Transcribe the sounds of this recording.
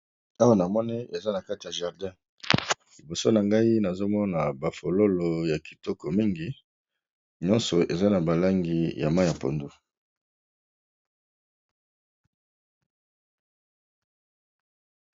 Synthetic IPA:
a˦wa˨na˨mɔ˦ni˦e˨za˦na˨ka˦ti˨ja˨ʒa˨ʁdɛ̃˦ | li˨bo˨so˦na˨ŋɡa˦i˦na˨zo˦mɔ˦na˨ba˨fo˨lo˦lo˨ja˨ki̥˨tɔ˦kɔ˨mi˦ŋɡi˦ | ɲɔ̃˦nsɔ˨ʔḛ˨za˦na˨ba˨la˦ŋɡi˨ja̰˨ma˦ja˨po̰˨ndu˦

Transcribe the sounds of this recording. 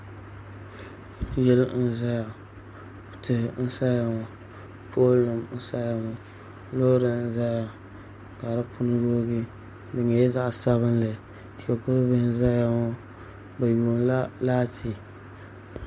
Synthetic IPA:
jɛ˦ln̩˦za˦ja˨ | tɨ˨n̩˦sa˦ja˨ŋɔ˨pʰo˦lɨ˨mn̩˦sa˦ja˨ŋɔ˨lo˦ɾɨ˨n̩˦za˦ja˨ka˨ɾa˦pʰʊ˦n˦do˦ɡi˦dɨ˨ŋa˨jɛ˦za˦ʔsa˦βɨ˦nlɨ˨ti˨a˨kʊ˦bɨ˦n˦za˦ja˦ŋɔ˦ba˨ju˨n˦laː˦tʰi˦

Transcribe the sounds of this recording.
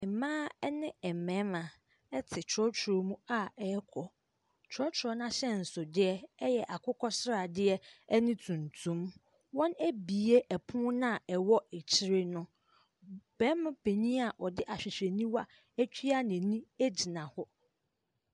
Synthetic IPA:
mãː˦ɛ˦nɪ̃˦ɛ˨mɛ̃˨˦mã˨ | ɛ˦tʰɪ˨t͡ʃʰɾɔ˦t͡ɕʰɾo˨mũ˦a˦ɛ˦kʰɔ˨ | t͡ɕʰɾɔ˦t͡ɕʰɾɔ˦nã˦ɕɛ˦n̩˨sʊ˨dɪ˦ɛ˦ɛ˦jɛ˨ʔa˨kʰʊ˦kʰɔ˦sɪ˦ɾa˨dɪ˦ɛ˦ɛ˦nɪ̃˦tʰũ˨ntʰũ˦m | wɔ̃˦næ˦bi˨e˦ʔɛ˨pʰʊ̃˦nã˦˨ɛ˨wɔ˦ɛ˨t͡ɕʰi˦ɾe˦nʊ̃˦ | b̥ɛ˨˦m̃˦pʰe˨ɲĩ˦a˨ʔɔ˨dɪ˦ʔa˨ɕᶣɪ˨ɕᶣe˨nĩ˦wa˦ | æ˦t͡ɕʰᶣi˦a˦nɪ̃˨nĩ˦e˦d͡ʑi˨nã˨hɔ˦

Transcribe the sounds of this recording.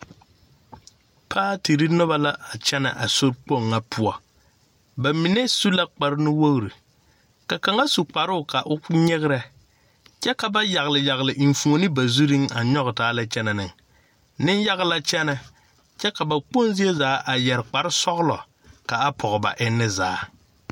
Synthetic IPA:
pʰaː˦ti˨ɾi˦nʊ˦ba˦la˦a˨t͡ʃɛ˦na̰˨ʔa˨so˦ɾk͡po˦˨ŋːa˦pʰʊ˦ɔ˨ | ba˨mi˨ne˦su˦la˦k͡pa˨ɾnɪ˦wo˦ɣɾi˨ | ka˨ka˨ŋa˦su˨k͡pa˨ɾʊ˦ʊ˨ka˨ʔʊ˦ɲɪ˦ɣɪ˦ɾɛ˨ | t͡ʃɛ˦ka˨ba˦ja˨ɣlɪ˨ja˨ɣlɪ˨ʔi˨ɱ˨fu˨o˨nɨ˦ba˨zu˦ɾi˦ŋa˨ɲɔ˦ɣtaː˨˦la˦t͡ʃɛ˦nɛ˨nɪ˨ŋ | nɪ˦nja˦ɣla˦t͡ʃɛ˦nɛ˨ | t͡ʃɛ˦ka˨ba˨k͡po˦nzi˦e˦zaː˨˦ʔa˨jɛ˨ɾk͡pa˨ɾɪ˦sɔ˦ɣlɔ˨ | ka˨a˦pʰɔ˨ɣba̰˨ʔɪ˦nːɪ˦za̰ː˨˦

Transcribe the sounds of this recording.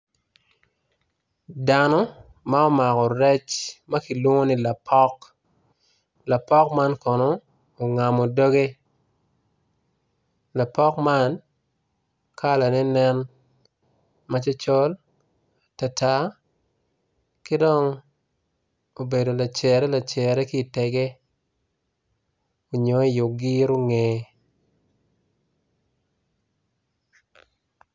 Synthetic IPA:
da˨nɔ˦ | ma˦o˦ma˨kɔ˨ɾɛ˦t͡ʃma˦ki˨lwo˦ŋo˦ni˦la˨pʰɔ˦k | la˨pɔ˦kma˦nkɔ˨nɔː˨ | ŋa˨mo˨do˦ɡe˦ | la˨pɔ˦kma˦n | kʰa˦la˨nɛ˦nɛ˦n | ma˦t͡ʃa˦t͡ʃɔ˦l | ta˨ta˨˦ | kɪ˦dɔ˦ŋ | o˨be˨do˨la˨t͡ʃɛ˨ɾɛ˦la˨t͡ʃɛ˨ɾɛ˦ki˦˨tɛ˨ɡe˦ | o˨ɲo˨˦i˦˨jʊ˨ɡi˦ɾo˦ŋe˨˦

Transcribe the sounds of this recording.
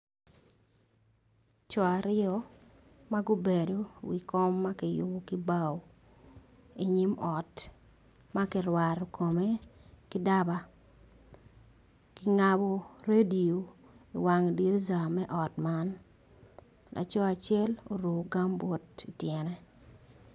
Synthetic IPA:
t͡ʃɔ˨a˨ɾɪɔ˦ | ma˦ɡʊ˦be˨do˦wi˨kɔ˦mːa˦kɪ˨jʊ̰˦bɔ˦kɪ˦ba˦w | i˨ɲi˦mɔ˨t | ma˦kɪ˦ɾwa˨ɾo˨kʰo˨me˦kɪ˦da˦ba˦ | kɪ˨ŋa˨bɔ˨ɾe˦di˨o˨ | ḭ˨wa˨ŋdi˦ɾza˨mɛ˦ʔɔ˨tma˦n | lʔa̰˨t͡ʃɔ˦a˨t͡ʃɪɛ˦lo̰˨ɾu˨ɡa˦mbɔ˦ti˨tjɛ˨nɛ˦

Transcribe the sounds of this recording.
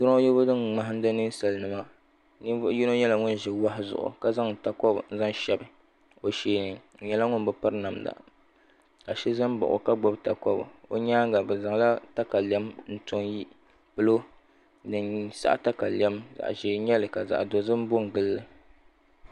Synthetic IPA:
tʊ˦ɾjɛ˦bʊ˦dɨ˦ŋma˨ɦa˦n̩˦dɨ˦nɨ˦n˦sa˨lnɨ˨ma˦ | n˦ji˦no˦ɲɛ˦la˦ŋʊ˦n˦ʒɪ˨wa˦hɪ˦zʊ̰˨ʔʊ̰˨ka˦za˦ŋ˨ta˨kɔ˦bn̩˦za˦ŋ˦ʃɛ˨bɨ˨ | o˨ʃeː˨˦nɨ˨ɲɛ˦la˦ŋʊ˦n˦bɨ˨pa˦ɾna˨mda̰˨ | ka˨ʃɛ˦za˦m˦ba̰˨ʔʊ̰˨ka˦ɡ͡bɔ˦bta˨kɔ˦b̰o̰˦ɲaː˦ŋ˦ɡa˨bɨ˨za˨ŋla˦ta˦ka˨li˨ɛ˦mn̩˦to˨ŋji˦ | pɨ˦lo˦ | dɨ˨nsa̰˦ʔta˦ka˨lɛ˦mza̰˨ʔʒeː˨ɲɛ˦lɨ˨ka˨za̰˨ʔdo˨zɨ˦m˦bo˦ŋ˨ɡɨ˦lːɨ˦

